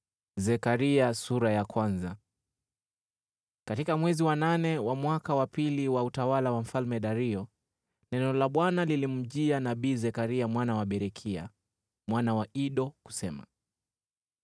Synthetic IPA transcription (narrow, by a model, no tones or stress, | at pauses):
zɛkaɾiasuɾajakwanza | katikamwɛziwananɛwamwakawapiliwautawalawam̩falmɛɗaɾiɔ | nɛnɔlaɓwanalilim̩ʄianaɓiːzɛkaɾiamwanawaɓɛɾɛkʰia̰ | mwanawaiɗɔku̥sɛma̰